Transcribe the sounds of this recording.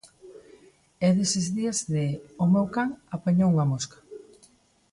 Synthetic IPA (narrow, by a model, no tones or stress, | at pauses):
ɛðesezðiazðeomewkaŋapeɲowŋamoskḁ